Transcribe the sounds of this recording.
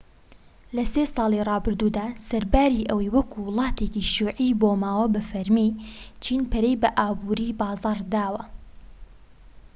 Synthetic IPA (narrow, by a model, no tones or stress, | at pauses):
lɐseːsɑːlˠirˤɑːbɨɾd̪uːd̪aːsɐɾbaːɾiʔɐwɐjwɐkʰuwɨlˠɑːt̪eːkiʃuːʕiboːmaːwɐbɐfɐɾmit͡ʃʰiːnpʰɐɾejbɐʔaːbuɾiːbɑːzɑːɾd̪aːwɐ